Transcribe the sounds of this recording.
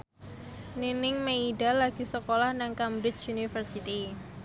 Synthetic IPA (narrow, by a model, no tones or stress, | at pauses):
ninɪŋmeidalaɡ̥isəkolahnaŋkambɾɪt͡ʃunifərsit̪i